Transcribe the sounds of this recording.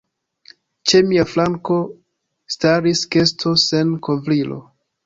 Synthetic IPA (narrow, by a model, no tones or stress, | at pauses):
t͡ʃe̞miaflaŋko̞ | staɾiske̞stʰo̞se̞nkovlilo̰